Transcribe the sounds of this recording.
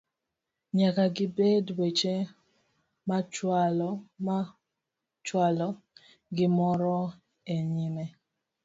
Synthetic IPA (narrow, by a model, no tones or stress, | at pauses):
ɲakaɡɪbedwet͡ʃe | mat͡ʃwalɔma | t͡ʃwalɔ | ɡɪmɔɾɔ | eɲimɛ